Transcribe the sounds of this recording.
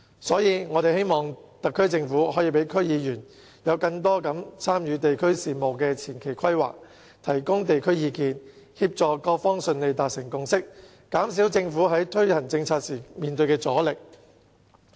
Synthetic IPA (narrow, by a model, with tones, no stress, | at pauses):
sɔː˨˥jiː˨˧ŋɔː˨˧t̪e˨jhe˥jmɔː˨ŋt̪ɐ˨kʰːɵ˥ɥt͡sɪ˧ŋfuː˨˥ɦɔ˨˥jiː˧pe˨˥jkʰɵ˥ɥjiː˨˧jyː˨˩n | jɐ˨˧wkɐ˧ŋt̪̬ɔː˥kɐ˨˥mt͡sʰaː˥mjyː˨˧t̪e˨jkʰɵ˥ɥsiː˨˩mo˨wkɛː˧t͡sʰiː˨˩nkʰe˨˩jkʰɐ˥jwa̰ː˨k̚ | t̪ʰɐ˨˩jkʊ˥ŋt̪e˨jkʰɵ˥ɥjiː˨˧kiː˧n | hiː˧p̚t͡sɔː˨kɔː˧k̚fɔː˥ŋsɵ˨nle˨˧jt̪aː˨t̚sɪ˨˩ŋkʊ˧ŋsɪ˥k̚ | kaː˨˥msiː˨˥wt͡sɪ˧ŋfuː˨˥ɦɐ˨˥jt̪ʰɵ˥ɥhɐ˨˩nt͡sɪ˧ŋt͡sʰaː˧t̚siː˨˩miː˨nt̪ɵ˧ɥkɛː˧t͡sɔː˨˥lɪ˨k̚